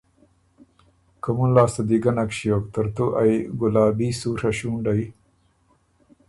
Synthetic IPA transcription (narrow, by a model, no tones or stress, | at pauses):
kɐmunlaːsɐd̪iɡɐnɐkɕijoːkt̪ɐɾt̪uʔajɡulaːbiːsuːɾɐɕuːɳɖaj